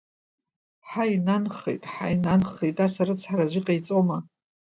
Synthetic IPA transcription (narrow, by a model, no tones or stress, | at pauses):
ħainanχḛjtʼħa̰jnanχejtʼasaɾɨt͡sʰħaɾazʷiqʼajt͡sʼoma